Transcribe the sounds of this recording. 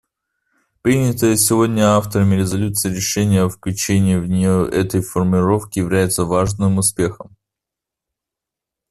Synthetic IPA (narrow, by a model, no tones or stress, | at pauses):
pɾʲinʲət̪əjəsʲɪvo̞dʲnʲəaft̪əɾəmʲɪɾʲɪzɐlʲut̪sɨɪɾʲɪʂɛnʲɪjəɐfklʲʉt͡ɕenʲɪːvnʲɪʔɛt̪əjfərmʲɪɾo̞fkʲɪjɪvlʲæjɪt̪səvaʐnɨmʊspʲe̞xəm